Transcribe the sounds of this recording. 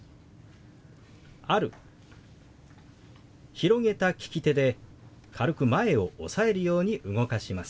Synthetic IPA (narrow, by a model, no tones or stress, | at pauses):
aɾɯ̟̰ | çiɾo̞ŋe̞t̪akʲi̥kʲit̪e̞d̪e̞ | kʰaɾɯ̟kɯ̟mae̞o̞o̰sae̞ɾɯ̟jo̞ːɲ̟iʔɯɡo̞kaɕimasɨ̥